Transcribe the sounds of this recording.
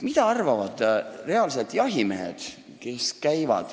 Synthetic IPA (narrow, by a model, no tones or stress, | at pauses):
mit̪ɑɑrvɑvɑd̪̥re̞ɑlset̪jɑɦimeḛd̪̥ | ke̞skæjvɑ̰d̪̥